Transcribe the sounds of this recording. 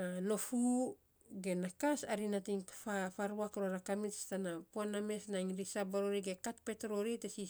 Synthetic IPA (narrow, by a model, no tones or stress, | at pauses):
ano̞fu | ɡe̞nakasaɾinatiŋfafaɾuakɾoɾakamitstanapoanamesnaŋɾisabaɾoɾiɡekatpe̞tɾoɾitesi